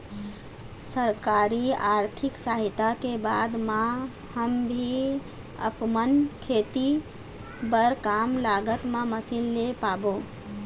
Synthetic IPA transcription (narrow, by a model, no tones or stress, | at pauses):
səɾkaɾiaɾt̪ʰiksaɦit̪akebad̪mã | həmbʱi | ə̰pmənkʰet̪i | bəɾkamlaɡət̪maməsillepabo